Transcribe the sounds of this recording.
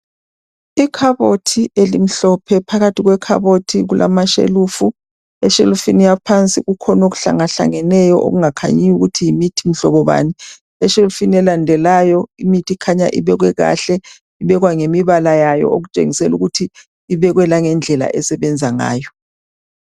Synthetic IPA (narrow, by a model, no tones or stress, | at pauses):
ikʰaβotʰiʔelim̩ɬɔpʰɛpʰaɣatʰiɣwɛkʰa̰βotʰiɣulʔa̰maʃḛluːfu | ɛʃelufinijapʰant͡sʼiɣukʰɔnoɣuɬa̰ŋaɬa̰ŋɛnɛjɔʔo̰ɣuŋakʰa̰ɲijuɣutʰijimitʰim̩ɬɔβɔβa̰ːni | ɛʃelufiniɛlandʱɛlajɔimitʰikʰaɲa̰ʔḭβɛɣwɛɣa̰ɬɛ | iβɛɣwaŋemiβalajajɔ̰oɣut͡ʃʼḛŋisɛluɣutʰiː | βɛɣwɛlaŋɛnd͡ɮʱɛla̰ʔɛsɛβɛnd͡zʱaŋa̰ːjɔ